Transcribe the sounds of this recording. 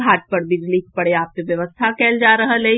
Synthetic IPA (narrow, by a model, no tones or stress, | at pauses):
aːʈ̚pəɾbɪd͡ʒliːk̚pɐɽeaːp̚teʋjɐʋəst̪ʰakɛːld͡ʒaːɾɐɦəle